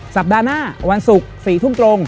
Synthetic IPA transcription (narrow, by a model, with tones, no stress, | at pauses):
sa˨˩p̚daː˧naː˥˩wa˧nsu˨˩k̚siː˨˩˦t̪ʰu˥˩mt̪ɾo˧ŋ